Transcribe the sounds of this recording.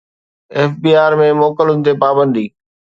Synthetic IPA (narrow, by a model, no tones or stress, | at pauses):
ɛːfbiːaːɾmẽmoːkəlʊnɪ̆t̪epaːbə̃nd̪iː